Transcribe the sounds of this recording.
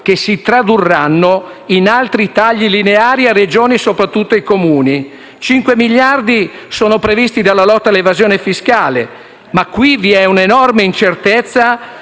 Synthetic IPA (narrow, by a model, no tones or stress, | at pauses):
k̟esit̪ɾad̪urːanːo | inalt̪ɾit̪aʎːilineaːɾiared͡ʒoːnisopɾat̪ːut̪ːoikomuːni | t͡ʃiŋkwemiʎːard̪i | soːnopɾevist̪id̪alːalɔt̪ːalːevazjoːnefiskaːle | makːwiviɛunenɔrmeint͡ʃert̪et̪sːa